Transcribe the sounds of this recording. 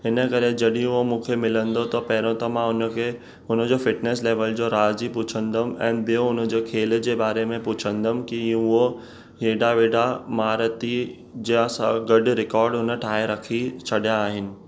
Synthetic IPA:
ɦɪnə̆kɐɾed͡ʑɐɗĩʊɦomũːkʰemɪlə̃nd̪ot̪ɐpɐɦɪɾõt̪ɐmãʊne | ʊnə̆d͡ʑoːfɪʈneːs̬leːʋəld͡ʑoɾaːzipʊt͡ɕʰə̃nd̪əm̆ɛ̰̃ːbijoʊnə̆d͡ʑeːkʰeːl̆d͡ʑeːbaːɾemẽpʊt͡ɕʰə̃nd̪əmkĩʊɦo | ɦeːɖaʋeːɖamaːɾət̪i | d͡ʑãsaɡɐɖɾɪkɔːɾɖʊnə̆ʈʰaːeɾɐkʰit͡ɕʰɐɗijãːɦɪnɪ̆

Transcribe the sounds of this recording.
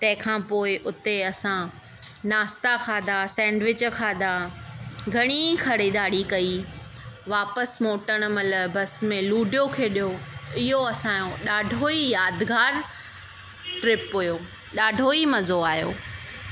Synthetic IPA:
t̪ɐ̃ɦɪ̃kʰãːpoːɪʔʊt̪eɐsã | naːst̪akʰaːd̪ʱasɛ̃ːɳɖʋɪt͡ɕkʰaːd̪ʱa | ɡʱɐɽ̃ikʰɐɽed̪aːɽikɐi | ʋaːpəsmoːʈəɽ̃mɐləbɐsmẽluːɖijokʰeːɗijoɪɦoɐsãːjõɗaːɖʱoijaːd̪ɡaːɾ | ʈɾɪpɦujoː | ɗaːɖʱoimɐzoaːjo̰ː

